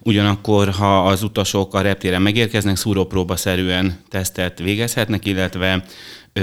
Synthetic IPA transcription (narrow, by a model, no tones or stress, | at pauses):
uɟɒnɒkːo̞rɦɒːzut̪ɒʃo̞kɒɾɛp̚t̪eːɾɛmɛɡeːrkɛznɛksuɾoproːbɒsɛɾyɛnt̪ɛst̪ɛt̪ʋeːɡɛshɛt̪nɛkilːɛt̪ʋɛ